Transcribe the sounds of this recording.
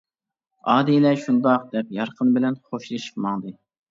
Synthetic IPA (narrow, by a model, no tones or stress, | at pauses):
ɑːd̪ilɛʃund̪ɑq̚d̪ɛp̚jɑɾqʰənbɪlɛnχoʃlˠɨʃɨ̥qmɑŋd̪ɨ